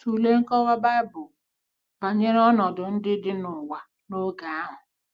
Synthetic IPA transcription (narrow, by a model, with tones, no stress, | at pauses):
tu˨le˦ŋ̩˦kɔ˦wa˦ba˦ɪ˦bʊ˨ | b̥a˨ɲe˦ɾɔ˦nɔ˨dʊ˨n̩˦dɪ˦dɪ˦nʊ˨wa˨ | no˦ɡa˨a˦ɦʊ˨